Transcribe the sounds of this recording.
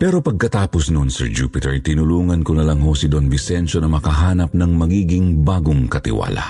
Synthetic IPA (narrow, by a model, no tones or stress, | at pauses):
pɛɾo̞pɐɡ̚kɐt̪aːposnʊnsɛ̰ɹd͡ʒupɪt̪ɛɹt̪ɪnʊluːŋɐnkonɐlɐŋhosɪd̪onbɪsɛnʃonɐmɐkɐɦaːnɐp̚nɐŋmɐɡiːɡɪŋbaːɡoŋkɐt̪ɪ̰wa̰ːlɐ̰